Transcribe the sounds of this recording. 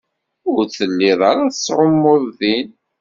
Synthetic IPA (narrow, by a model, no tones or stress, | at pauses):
ʊɾθəlːiðˤɑɾaθəsːʕəmːʊðˤðin